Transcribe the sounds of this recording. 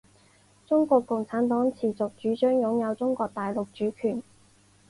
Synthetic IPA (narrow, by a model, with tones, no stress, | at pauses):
t͡sʊ˥ŋkʷɔː˧kːʊ˨ŋt͡sʰaː˨˥nt̪ɔː˨˥ŋt͡sʰiː˨t͡sʊ˨k̚t͡ʃyː˨˥t͡ʃœː˥ŋjʊ˨˥ŋjɐ˨˧wt͡sʊ˥ŋkɔː˧k̚t̪aː˨jlʊ˨k̚t͡ʃyː˨˥kʰyː˨˩n